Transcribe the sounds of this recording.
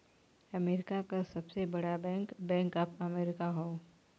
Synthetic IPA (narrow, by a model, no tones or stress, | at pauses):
ɐmeːɾɪkakasɐbsebɐɽabɛ̃ːŋkbɛ̃ːŋkapɐmeːɾɪkaɦoː